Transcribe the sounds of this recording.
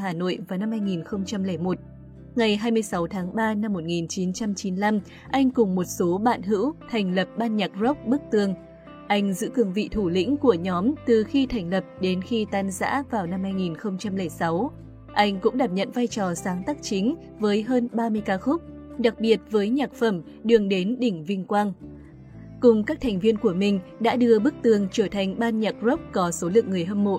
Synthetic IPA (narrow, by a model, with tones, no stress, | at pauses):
ɦaː˨˩no̰˧˨jvaː˨˩wna˧mhaː˧jŋi˨˩nxə˧wŋ͡mt͡ɕa˧mlɛ˧˩jmo˨˩t̚ | ŋa˨˩jɦaː˧jmɨ˧əjsa˨˦wt̪ʰaː˨˦ŋɓaː˧na˧mːo˨˩t̚ŋi˨˩nt͡ɕi˨˦nt͡ɕa˧mt͡ɕi˨˦nla˧m | ʔa˧jŋ̟kʊ˨˩ŋ͡mmo˨˩t̚so˨˦ɓa̰ː˧˨nɦɨ̰˧˥wt̪ʰɛ˨˩jŋ̟lə˨˩p̚ɓaː˧nɲa˨˩k̚zo˦˥k͡p̚ɓɨ˦˥k̚t̪ɨ˧˩əŋ | ʔa˧jŋ̟zɨ̰˧˥kɨ˧˩əŋvḭ˧˨t̪ʰu˧˩lḭ̈˧˥ŋ̟ku˧˩əɲɔ˨˦mt̪ɨ˨˩xi˧t̪ʰa˨˩jŋ̟lə˨˩p̚ɗe˨˦nxi˧t̪aː˧nza̰ː˧˥vaː˨˩wna˧mhaː˧jŋi˨˩nxə˧wŋ͡mt͡ɕa˧mlɛ˧˩jsa˨˦w | ʔa˧jŋ̟kʊ̰˧˥ŋ͡mɗaː˨˩p̚ɲə̰˧˨nvaː˧jt͡ɕɔ˨˩saː˨˦ŋt̪aː˦˥k̚t͡ɕi˨˦ŋ̟ | vəː˨˦jɦəː˧nɓaː˧mɨ˧əjkaː˧xʊ˦˥k͡p̚ | ɗa˨˩k̚ɓi˨˩ət̚vəː˨˦jɲaː˨˩k̚fə˧˩m | ɗɨ˨˩əŋɗe˨˦nɗï˧˩ŋ̟vï˧ŋ̟kwaː˧n | kʊ˨˩ŋ͡mkaː˦˥k̚t̪ʰa˨˩ŋ̟vi˧ənku˧˩əmï˨˩ŋ̟ɗa̰ː˧˥ɗɨ˧əɓɨ˦˥k̚t̪ɨ˨˧˩əŋt͡ɕəː˧˩t̪ʰa˨˩jŋ̟ɓaː˧nɲaː˨˩k̚zo˦˥k͡p̚kɔ˨˦so˨˦lɨ̰˧˨əŋːɨ˨˩əjɦə˧mmo̰˧˨ʔ